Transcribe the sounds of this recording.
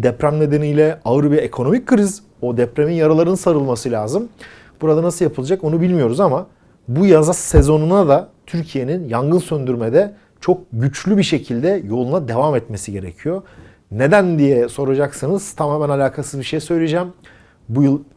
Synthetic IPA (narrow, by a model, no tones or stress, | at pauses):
d̪ɛpɾæmne̞d̪e̞nijlʲɛaɯɾbijekʰo̞no̞mic̚kʰːɾiz | o̞d̪ɛpɾeminjaɾalˠaɾɯnɯnsaɾɯlˠmasɯlʲaːzɯm | buɾad̪anasɯlˠjapʰɯlˠad͡ʒako̞nubilʲmijo̞ɾuzama | bujazassezo̞nunad̪at̪ʰyɾcʰije̞ninjaŋɡɯnsønd̪yɾmed̪ɛ | t͡ʃʰo̞k̚ɟyt͡ʃlʲybiʃe̞cʰilʲd̪ɛjo̞lˠunad̪e̞vamɛt̪me̞siɟe̞ɾecʰijo̞ | ne̞d̪ænd̪ijɛso̞ɾad͡ʒaksanɯz̥t̪ʰamaːmɛnalʲaːkʰasɯzbiʃe̞jsø̞jlʲed͡ʒɛːm | bujɯlˠ